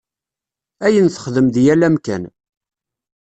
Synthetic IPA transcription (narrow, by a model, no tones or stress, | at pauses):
æjənθə̥χðəmðjælæmkæ̰n